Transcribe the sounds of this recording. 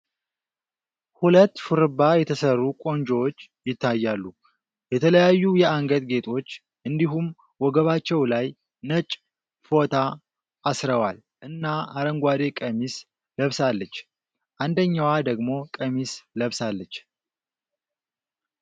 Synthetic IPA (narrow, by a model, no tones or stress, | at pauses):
hulət̪ːfuɾɨbajɛt̪ʰəsərːukʼo̞nd͡ʒowot͡ʃː | jɪt̪ʰːajːalːu | jɛt̪ʰələjajːujɛaŋɡəd̪ɡe̞t̪ʰo̞t͡ʃː | ʔɨnd̪iɦum | wɔɡəβat͡ʃːɛwlaj | nət͡ʃʼ | fo̞t̪ʰaː | sɾəwal | ʔɨnːaaɾəŋɡʷwad̪e̞kʼəmis | ləβsalːət͡ʃː | ʔand̪əɲːawad̪əɡmo̞kʼəmisləβsalːət͡ʃː